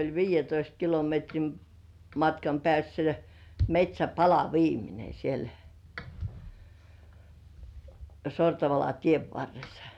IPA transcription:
olʲ ʋiːjˑetoist kilometrim mɑtkɑm pĕæˑsːæ metʲsʲæpɑlɑ ʋiːmine siel sortɑʋɑlɑ tieʋ ʋɑrːesːɑ̥

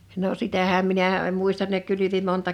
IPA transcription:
no sitæhæm minæˑ en muistɑn ne kylyʋi montɑ

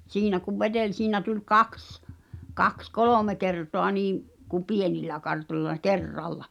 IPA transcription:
siːnæ kuʋ ʋed̥elʲ siːnæ tulʲ kɑks kɑks koloˑme kertoɑ niːm ku pienilːæ kɑrtolʲlɑ kerːɑlːɑ

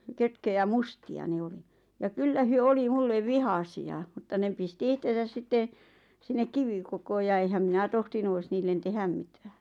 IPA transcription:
køtkøjæ mustiɑ ne oli jɑ kylːæ hyø oli mulːe ʋihɑsiɑ mŭtːɑ ne pisti ihtesæs sitːe sinːek kiʋikokoː jɑ eĭhæm minæ tohtinu ois niːlːen tehæm mitæ̥ːn̥

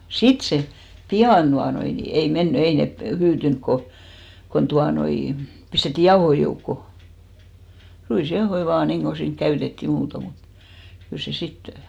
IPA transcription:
sit se piɑn d̥uɑnoi ni ei menːy ei ne hyːtyŋk ko kon tuɑnoi pistetːi jɑohoi joukːo ruisjɑohoi ʋɑːn niːŋɡ̊o siːŋk kæytetːiˑ muːto mut kyl se sit

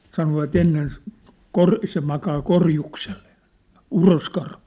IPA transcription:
sɑnoʋɑt enːen kor se mɑkɑː korjuksel̥ˑe̥ˑ uroskɑrhu

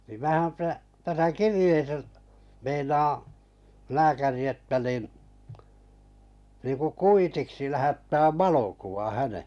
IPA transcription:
nim mæːhæm pæ tæsæ kirĭjeːsæ meinɑː læːkæri etːæ niˑn niˑku kuitiksi læhætːæːʋ ʋɑlokuʋɑ hæne

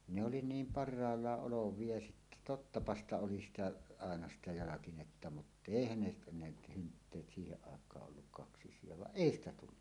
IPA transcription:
ne oli niːm pɑrˑɑːlːɑʔ ʔoloʋˑie jɑ sitːæ totːɑpɑ stɑ oli sitæ ɑˑenɑ sitæ jɑlɑkinetːɑ mutˑ eˑihæn ne ne hyntːeːt siːheʔ ʔɑˑekˑɑːʔ ʔolːuk kɑksisˑie ʋɑʔ ʔeˑi stæ tulːu

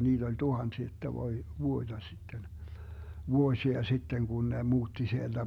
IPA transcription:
niːd̥ olʲ tuhɑnsi etːæ ʋoi ʋuoĭd̥ɑ sitːen ʋuosiɑ sitːeŋ kun ne muːtːi sield̥æ

